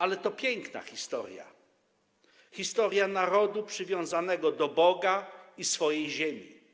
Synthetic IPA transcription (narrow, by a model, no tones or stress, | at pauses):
alɛt̪ɔpʲjeŋkna̰xʲist̪ɔ̰ɾʲja̰ | xʲist̪ɔɾʲjanaɾɔd̪upʂɘvʲjɔ̃w̃zanɛɡɔd̪ɔbɔɡaisfɔjejʑemʲḭ